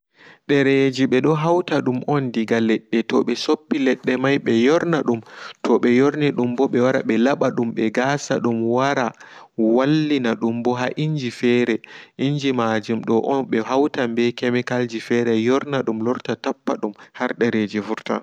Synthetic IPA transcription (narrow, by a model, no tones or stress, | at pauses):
ɗɛɾed͡ʒiɓɛɗɔɦawtaɗumʔɔndiɡalɛɗːɛtɔɓɛsopːilɛɗːɛmajɓɛjɔɾnaɗumtʰɔɓɛjoɾniɗumbɔɓɛwaɾa̰ɓɛlaɓaɗumɓɛɡasa̰ɗumwaɾawalːinaɗumbɔɦaʔiɲd͡ʒifɛɾɛʔiɲd͡ʒimad͡ʒumɗɔʔɔnɓɛɦawtambɛkɛmikald͡ʒifɛɾɛjɔɾnaɗumlɔɾtatapːaɗumhaɾɗɛɾed͡ʒifuɾta̰